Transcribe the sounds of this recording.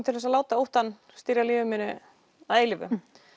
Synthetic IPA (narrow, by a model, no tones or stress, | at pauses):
t̪ʰɪlɛsalaːwt̪aowht̪an | st̪iːɾalɪːvʏmɪːnɪ | aðeːjlɪvʏ̰